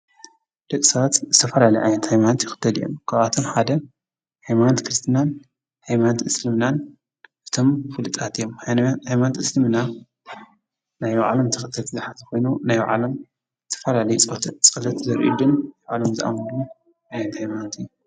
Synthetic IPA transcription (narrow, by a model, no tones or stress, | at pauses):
d̪̥ɐkʼisɐβat̪zɨt̪ʰɐfɐlalɐjʔʕa̰jnɐt̪hajmant̪jɪxɨ̥t̪ʰːɐlḭjo̰mkʰaβat̪ʰo̞mħad̪ɐ | hajmant̪kʰɾɨst̪ʰinan | hajmant̪ʔɨslɨmnan | ʔɨt̪ʰomfɨlɨt̪ʼat̪ijomhajmant̪ʔɨslɨmna | najʕa̰lɐmt̪ʰɨxɨt̪ʰːɐlt̪ʰzɨħat̪ʰɐxo̞jnunajʕa̰lɐm | zɨt̪ʰɐ̥fɐlalɐjut͡sʼt̪ʰt͡sʼɐlɐt̪zɐɾʔḭd̪unajʕalomzɨʔa̰mɐlu | ʔajnɐt̪hajmant̪ʰɨjːu